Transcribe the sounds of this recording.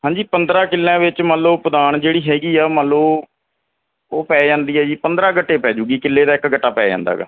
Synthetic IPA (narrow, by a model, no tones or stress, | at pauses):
ɦãːɲd͡ʒiːpənd̪ɾãːkɪlːãːʋɪt͡ʃmələpəd̪aːɳd͡ʒeːɽiːɦɛːɡiːaːməloː | oːpɛːd͡ʒãːnd̪iːɛːd͡ʒiːpənd̪ɾãːɡəʈːeːpɛːd͡ʒuːɡiːkɪlːeːd̪aːɪkɡəʈːaːpɛːd͡ʒa̰ːnd̪a̰ːɡa̰ː